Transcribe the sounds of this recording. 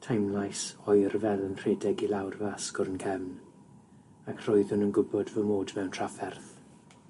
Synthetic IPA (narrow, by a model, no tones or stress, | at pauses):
tʰajmlˠajsɔjrvɛlˠənr̥eːdɛɡilawrvaskɔɾənkʰɛvn | akʰr̥oɨðʊnənɡʊbɔdvəmoːdvɛwntʰr̥afɛrθ